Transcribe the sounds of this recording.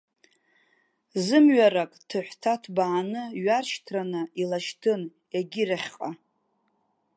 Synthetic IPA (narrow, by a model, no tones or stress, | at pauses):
zɨmɥaɾakʼtʰɨħʷtʰatʰbaːnɨɥarʃtʰranɨilaʃtʰɨn | jaɡʲɪɾaχʲqʼa